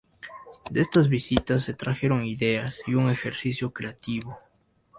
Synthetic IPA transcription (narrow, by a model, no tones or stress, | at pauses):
d̪eest̪azβisit̪asːe̞t̪ɾaxe̞ɾoŋiðeasiuŋe̞xeɾsisjokɾeat̪iβo